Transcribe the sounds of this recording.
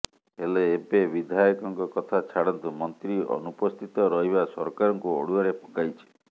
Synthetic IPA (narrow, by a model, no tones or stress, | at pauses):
ɦeleːpebid̪ʱajɔkɔŋkɔkɔt̪ʰat͡ʃʰaɽɔnt̪umɔnt̪ɾiɔ̰nupɔst̪ʰit̪ɔɾɔɦibasɔɾkaɾɔŋkuo̰ɽuaɾepʰɔ̥kajt͡ʃʰi̥